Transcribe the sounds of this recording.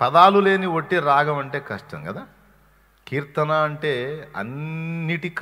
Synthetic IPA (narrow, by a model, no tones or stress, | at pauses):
pɐd̪aːlule̞ːniʋoʈːiɾaːɡɐmɐɳʈe̞ːkɐʂʈɐ̰ŋɡɐd̪aː | kiːɾt̪ɐnaːɐɳʈe̞ːɐ̰nːiʈik